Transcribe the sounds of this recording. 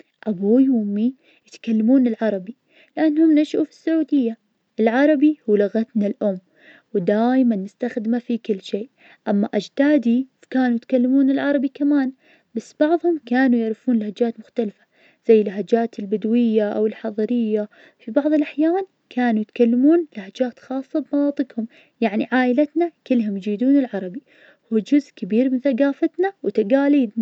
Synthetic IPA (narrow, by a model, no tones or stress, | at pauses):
ʔabujwʊmːi | jɪt̪kalːamuːnɪlʕɑɾˤɑbi | lɪʔanːhʊmːnaʃʔufi̥sːaʕuːd̪ɪjːa | ʔɪlʕɑɾˤɑbihuːlaɣat̪nalʔʊmː | wɪd̪aːjmanːɪst̪axd̪ɪmafikɪlːʃeːʔ | ʔamːaʔad͡ʒd̪̥aːd̪i | kaːnujɪt̪kalːamuːnɪlʕɑɾˤɑbikamaːn | basːb̥ɑʕðˤhʊmkaːnujɪʕɾɪfuːnlhad͡ʒaːt̪mʊxt̪alfḁ | z̥ajːɪlɦad͡ʒaːt̪ɪlbɪd̪wɪjːaʔa̰wɪlħɑðˤɑɾɪjːa | fibɑʕðˤɪlʔaħjaːn | kʰaːnujɪt̪kalːamuːnlhad͡ʒaːt̪xɑːsˤːɑbmɑnɑːt̪ˤɨɡhʊm | jaʕniʕaːʔɪlat̪nakɪlːɦʊmjd͡ʒiːd̪uːnɪlʕɑɾˤɑbi | huːd͡ʒʊzʔkɪbiːɾmɪnθaɡaːfat̪nawɪt̪aɡaːliːd̪na